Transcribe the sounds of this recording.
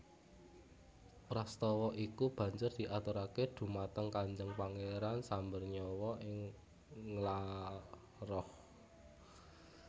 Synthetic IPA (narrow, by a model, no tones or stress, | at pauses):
pɾast̪ɔwɔʔikub̥ä̤ɲd͡ʒʊrd̪̥iʔat̪uɾaked̪̥ṳmat̪əŋkaɲd͡ʒəŋpaŋeɾansambərɲɔwɔʔɪŋː | la | rɔh